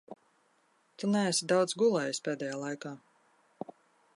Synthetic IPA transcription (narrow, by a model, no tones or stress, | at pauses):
t̪unæːsid̪awd̪zɡulˠɛjispʲeːd̪ɛjaːlˠajkaː